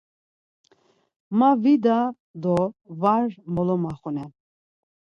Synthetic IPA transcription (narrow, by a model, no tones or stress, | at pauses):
mavid̪a | d̪ɔvaɾmɔlɔmaχunɛn